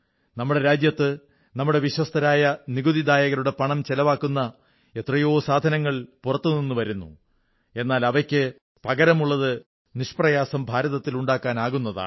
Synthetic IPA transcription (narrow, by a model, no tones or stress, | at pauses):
nɐmːuɽe̞ɾaːd͡ʑjɐt̪ːɨ | nɐmːuɽe̞ʋiɕwɐst̪ɐɾaːjɐniɡuðid̪aːjɐɣɐɾuɽe̞pɐɳɐmt͡ɕelɐʋaːkːunːɐ | et̪rɐjo̞ːsaːd̪ʱɐnɐŋːɐɭpurɐt̪ːuninːuʋɐɾunːṵ | e̞nːaːlɐʋɐkʲːɨ | pɐɡɐɾɐmuɭːɐðɨ | niʂprɐjaːsɐmbʱaːɾɐðɐt̪ːiluɳɖaːkːaːnaːɣunːɐða̰ːɳɨ